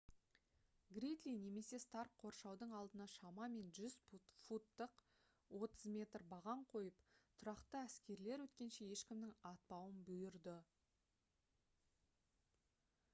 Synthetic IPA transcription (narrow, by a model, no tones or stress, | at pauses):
ɡɾit̪lijne̞me̞se̞st̪ɑrkqʰo̞ɾʃɑwd̪əɴɑlˠd̪ənɑʃɑmɑme̞nʒʏzfut̪ːəq | wo̞t̪əzmʲe̞t̪rbɑʁɑɴqʰo̞jəpt̪ʰʊɾɑqt̪əæskʲe̞ɾle̞ɾwɵt̪kʲe̞nʃe̞je̞ʃkʲɪmd̪ɪŋɑt̪̚pɑwənbɵjʏɾd̪ɪ